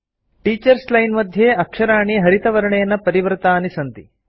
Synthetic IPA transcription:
ʈiːt͡ʃɐɾslɐjnmɐd̪ʱjeːɐkʂɐɾaːɳiɦɐɾit̪ɐʋɐɾɐɳejɐnːɐpɐɾiʋɐɾt̪aːnisɐnt̪ḭ

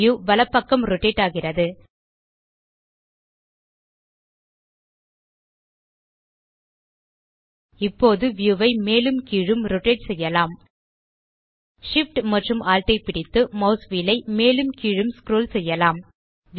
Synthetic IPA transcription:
juːʋɐlɐpːɐkːɐmɾɔʈeːʈːaːɣɪrɐðɯ | ɪpːoːðɯʋjuːʋɐɪmeːlɯmkiːɻɯmɾɔʈeːʈsɛjːɐlaːm | ʂɪfʈmɐʈrɯmʔaːlʈɐɪpɪɽɪt̪ːɯmɐʊsʋiːlɐɪmeːlɯmkiːɻɯmskɾoːlsɛjːɐlaːm

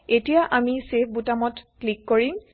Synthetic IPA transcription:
etijaʔamisep̚ʰbutamɔtklikːoɹim

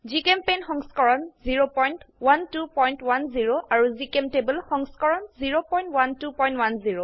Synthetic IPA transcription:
zikempenxɔŋskɔɹɔnziɹopɔjntwantupɔjntwanziɹoʔaɹuzikemtebəlxɔŋskɔɹɔnziɹopɔjntwantupɔjntwanziɹo

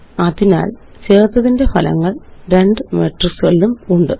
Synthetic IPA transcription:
ɐðina̰ːl | t͡ɕe̞ːrt̪ːɐðinde̞fʰɐlɐ̰ŋːɐɭɾe̞ɳɖɨmeʈːrɨsɐɭiumuɳɖɨ

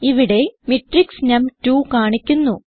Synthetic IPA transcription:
iʋiɽe̞miʈriksnemtuːkaːɳikʲːunːu

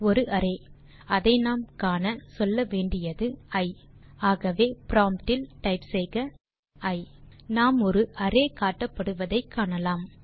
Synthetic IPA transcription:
ɔɾɯʔɐɾeː | ɐðɐɪnaːmkaːnɐsɔlːɐʋeːɳɖɪjɐðɯɐɪ | aːɣɐʋeːpɾaːmpʈɪlʈɐɪpsɛjɣɐ | ɐɪnaːmɔɾɯʔɐɾeːkaːʈːɐpːɐɽɯʋɐðɐɪkʰːaːɳɐlaːm

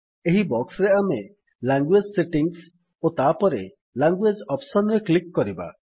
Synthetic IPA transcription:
eɦibɔksɾeame | laŋɡwed͡ʒseʈiŋs | ot̪apɔɾe | laŋɡwed͡ʒɔpsɔnɾeklikːɔɾiba̰

